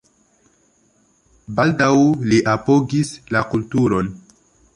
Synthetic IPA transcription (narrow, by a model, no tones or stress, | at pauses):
baldawliʔapoɡislakultuɾo̞n